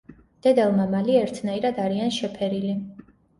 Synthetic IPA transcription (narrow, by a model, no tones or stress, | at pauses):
d̪̥ɛd̪ɛlˠmamaliɛɾt̪ʰnaiɾad̪aɾianʃɛpʰɛɾili